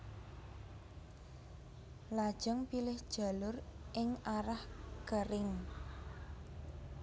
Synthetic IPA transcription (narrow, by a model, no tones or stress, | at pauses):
lad̥ʒ̥ɔŋpilɪhd̥ʒ̥a̤lʊrʔɪŋaɾahɡ̥əɾɪŋ